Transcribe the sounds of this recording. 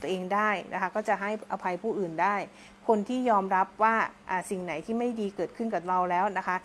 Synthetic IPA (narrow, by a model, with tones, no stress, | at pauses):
t̪ʔeː˧ŋdaː˥˩jnʔa˦˥kʰa˦˥kɔː˥˩t͡ɕa˨˩ɦa˥˩jʔa˧pʰa˧jpʰuː˥˩ʔɯː˨˩ndaː˥˩j | kʰo˧nt̪ʰiː˥˩jɔː˧mɾa˦˥p̚waː˥˩ʔaː˨˧˩si˨˩ŋna˩˦jt̪ʰiː˥˩ma˥˩jdiː˧kɤː˨˩t̪̚kʰɯ˥˩nka˨˩ɾa˧wlɛː˦˥wna˦˥kʰa˦˥